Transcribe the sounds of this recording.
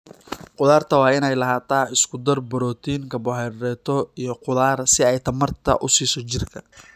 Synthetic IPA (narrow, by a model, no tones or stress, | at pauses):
qʊðaːrt̪ʰɐwɑːɪnɛjlɐɦaːt̪ʰaːɪskʰʊd̪ɐrbɔɾɔːt̪ʰiːŋkʰɐbɔɦɛɾɛːt̪ʰɔijɞqʊðaːrsɪɛjt̪ʰɐmɐrt̪ʰɐ̰ʔʊsiːsɔt͡ʃɪrkʰɐ